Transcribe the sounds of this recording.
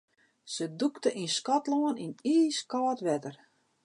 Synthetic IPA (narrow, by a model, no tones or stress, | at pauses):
səduktəʔinskɔtloəniniːskɔːtʋɛtər